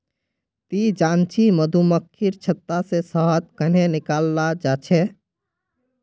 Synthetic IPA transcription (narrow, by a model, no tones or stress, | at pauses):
t̪id͡ʒant͡ʃiməd̪ʱuməkʰːiɾt͡ʃʰət̪ːasesəɦət̪kənenikalːad͡ʒat͡ʃʰɛ